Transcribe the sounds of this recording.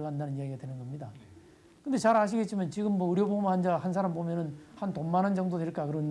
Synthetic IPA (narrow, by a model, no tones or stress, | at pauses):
ɡandanɯnijaɡiɡadwe̞nɯnɡʌmɲida | kɯndet͡ɕaɾaɕ̬ʰiɡe̞t̚t͡ɕ͈imant͡ɕiɡɯmːwʌɯɾjobomand͡ʑahans̬ʰaɾambomjʌnɯnhantomːanɯnd͡ʑʌŋdodwe̞ɭk͈akɯɾʌn